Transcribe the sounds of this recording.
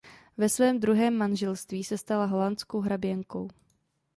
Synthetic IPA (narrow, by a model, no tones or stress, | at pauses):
vɛsvɛːmd̪ɾuɦɛːmːanʒɛlst̪viːsɛst̪alaɦolant͡skowɦɾabjɛŋkow